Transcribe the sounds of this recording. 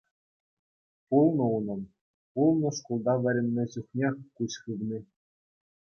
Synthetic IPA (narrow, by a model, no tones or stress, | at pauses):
pulˠnɤ̆unɤ̆m | pulˠnɤ̆ʂkulˠd̪ɑʋʲɘ̆ɾʲɘ̆nʲːɘ̆ʑuχnʲekuɕχɯʋnʲi